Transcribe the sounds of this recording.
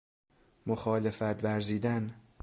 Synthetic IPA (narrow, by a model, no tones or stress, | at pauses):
moxɒːlefæt̪væɾziːd̪æn